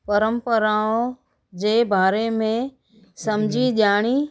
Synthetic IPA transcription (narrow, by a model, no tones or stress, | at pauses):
pɐɾəmpəɾaːõ | d͡ʑeːbʱaːɾemẽ | sɐmd͡ʑʱiɗɪjaːɽ̃i